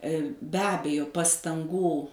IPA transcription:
bʲɛ ˈɑːbʲɛjoː pɐstɐŋˈɡuː

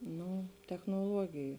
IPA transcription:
ˈnʊ tʲɛxnoːˈlˠuɔɡʲɪjʊ

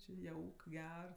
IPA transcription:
t͡ʃʲɪ ˈjɛʊk ˈɡʲɛr

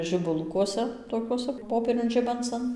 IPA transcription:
ʒʲɪbʊˈlˠʊkuɔsʲɛ toːˈkʲuɔsɐ ˈpoːpʲiɛrʲʊn ˈʒʲɪbɐnt͡sɐn

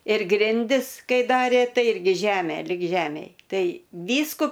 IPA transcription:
ɪr ˈɡrʲɪnʲdʲɪs ˈkɐɪ ˈdɑːrʲeː ˈtɐɪ ˈɪrʲɡʲɪ ˈʒʲæːmʲeː lʲɪk ˈʒʲæːmʲeːj ˈtɐɪ ˈʋʲiːskʊ

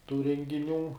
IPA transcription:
tuː rʲɛŋʲɡʲɪˈnʲuː

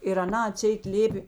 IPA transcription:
ɪr ɐˈnɐ ɐˈtʲsʲɛɪt ˈlʲeːpʲeː

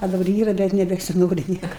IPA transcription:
ɐ dɐˈbɐr ˈiːrɐ bʲɛt nʲɛbʲɛsʲɪˈnoːrʲɪ ˈnʲiɛkɐ

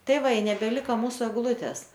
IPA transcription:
ˈtɐɪ ˈʋɐ ɪ nʲɛbʲɛˈlʲɪkɐ ˈmuːsʊ ɛɡˈlˠuːtʲɛs

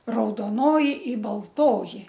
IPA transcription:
rɐʊdoːˈnoːjɪ ɪ bɐlˠˈtoːjɪ

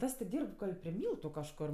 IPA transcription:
ˈtɐs tʲɪ ˈdʲiːrp ˈɡɐlʲ pʲrʲɪ ˈmʲiːlˠtʊ kɐʃˈkoːr

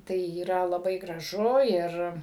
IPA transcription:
ˈtɐɪ iːˈrɐ lˠɐˈbɐɪ ɡrɐˈʒʊ ˈɪr

